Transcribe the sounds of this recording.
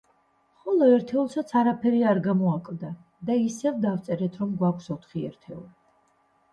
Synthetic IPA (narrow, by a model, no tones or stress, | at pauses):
χɔlˠɔɛɾt̪ʰɛulˠsat̪sʰaɾapʰɛɾiaɾɡamɔakʼlˠd̪a | d̪aisɛvd̪avt̪sʼɛɾɛt̪ʰɾɔmɡwakʷʰfsɔt̪ʰχiɛ̰ɾt̪ʰɛṵli